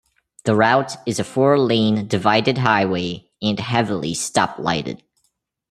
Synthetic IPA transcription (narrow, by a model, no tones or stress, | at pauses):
ðɨɹaʊɾɨzɨfɔɹlẽɪ̃ndɨvaɪɾɨd̚ɦaɪweɪ | ɨ̃nɦɛvl̩ˠḭstɑ̰p̚la̰ɪɾɨ̰d̥̚